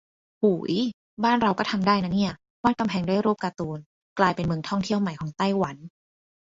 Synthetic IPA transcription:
huː˨˩˦j | baː˥˩nɾa˧wkɔː˥˩t̪ʰa˧mdaː˥˩jna˦˥ni˥˩ɐ | waː˧˥˩ka˧mpʰɛː˨˦ŋdu˥˩˨jɾuː˥˩p̚kaː˧t̪uː˧n | klaː˧jpe˧nmɯ˧ŋt̪ʰɔ˥˩ŋt̪ʰi˥˩əwma˨˩jkʰɔː˨˩˦ŋt̪a˥˩jwa˩˦n

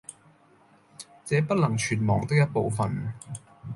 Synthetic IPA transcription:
t͡sɛː˨˥pɐ˥t̚lɐ˨˩ŋt͡ʃʰyː˨˩t̚mɔ̰ː˨˩ŋt̪ɪ˥k̚jɐ˥t̚po˨˧wfɐ˨n

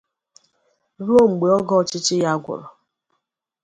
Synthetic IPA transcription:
ɾo˦ŋ͡m̩˨ɡ͡be˨ɔ˦ɡɔ˦˨t͡ʃɪ˦t͡ʃɪ˦ja˦ɡʷʊ̰˨ɾɔ˨

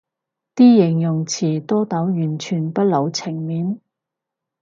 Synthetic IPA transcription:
t̪iː˥jɪ˨˩ŋjʊ˨˩ŋt͡sʰiː˨˩t̪ɔː˥t̪ɐ˨˥wjyː˨˩nt͡ʃʰyː˨˩npɐ˥t̚lo˨˧wt͡sʰɪ˨˩ŋmiː˨˥n

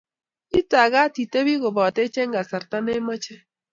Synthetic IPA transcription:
i˦ta˨ɣa˦ti˨te˦βi˦ɣo˨ba˨te˦t͡ʃe˦ŋɡa˨sa˨ɾta˦ne˦ma˦t͡ʃe˦

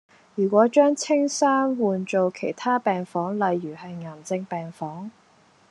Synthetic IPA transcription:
jyː˨˩kʷɔː˨˥t͡ʃœː˥ŋt͡sʰɪ˥ŋsaː˥nwuː˨nt͡so˨wkʰe˨˩jt̪ʰaː˥pɛː˨ŋfɔː˨˥ŋlɐ˨jːyː˨˩hɐ˨jŋaː˨˩mt͡sɪ˧ŋpɛː˨ŋfɔː˨˥ŋ

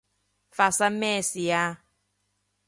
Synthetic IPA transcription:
fa˨sa˦mɛ˦˨si˨ja˦

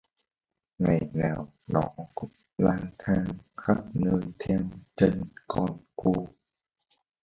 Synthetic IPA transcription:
ŋa˨˩jnaː˨˩w | nɔ˧˩˦kʊ̰˧˥ŋ͡mlaː˧ŋt̪ʰaː˧ŋxa˦˥p̚nəː˧jt̪ʰɛ˧mt͡ɕe˧nkɔ˧nku˧

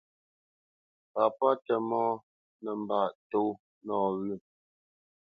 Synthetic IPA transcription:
pa˨pa˦tə˨mɔ˦ | nə˨m˨ba˨ʔto˦ | nɔː˨ɣʉ˦˨

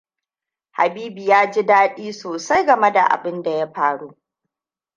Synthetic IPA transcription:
ha̰˨biː˦bi˨jaː˦d͡ʒi˦daː˦ɗiː˦soː˨sa˦jɡɐ˨me˦da˨ʔa̰˨bɪ˦nda˨ja˦ɸaː˨ɽu˦ʔ

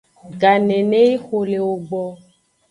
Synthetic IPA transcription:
ɡa˨nẽ˨nẽ˦ji˦xo˨le˨wo˨ɡ͡bɔ˦

